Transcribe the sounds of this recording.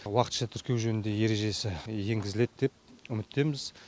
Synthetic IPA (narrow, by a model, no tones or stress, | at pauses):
wɑqə̥t̪ʃɑt̪ʰʏɾkʲe̞wʒɵnɪnd̪e̞je̞ɾe̞ʒe̞sɪje̞ŋɡʲɪzɪle̞d̪̚d̪e̞p̚ʏmɪt̪ːe̞mɪz